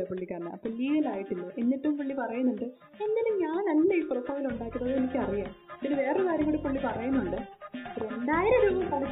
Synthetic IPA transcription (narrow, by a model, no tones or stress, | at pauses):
ɐpɐɭːikːaːɾnɐ̰ɐpːɐːliːɡɐlaːjiʈːilːɐʔenːiʈːumpɐɭːipɐrɐjɐnːuɳɖɨ | e̞nːilɨmɲaːɳnɐnːeiːprofːɐːʋiluɳɖaːkːiðɐɐðɨenikʲːɨɐrijaːðinɨʋe̞ːrekaːɾjɐŋɡoːɽepɐɭːipɐrɐjɐnːuɳɖɨɐpːend̪aːjɐɾeɾuːbɐmkɐɭɐ